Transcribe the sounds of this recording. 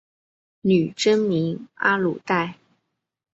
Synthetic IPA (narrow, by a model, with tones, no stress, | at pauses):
ny˨˩ʈ͡ʂə˥nmi˧˥ŋa̰˥lṵ˨˩t̪a˥˩ɪ